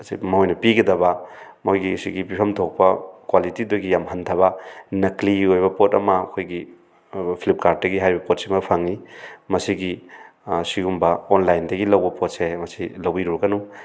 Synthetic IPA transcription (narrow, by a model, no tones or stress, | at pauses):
sḭmɐɦojnɐpiɡɐdɐbɐ | mojɡisḭɡipipʰɐmtʰok̚pɐkwalitiduɡijamɦɐntʰɐβɐnɐkliojbɐpotɐmɐːkʰojɡi | pʰilip̚kaɾt̚dɐɡiɦajbɐpot̚simɐpʰaŋnimɐsiɡi | siɡumbɐonlajndɐɡilɐwbɐpot̚semɐsilɐwbiɾuɾɐɡɐnu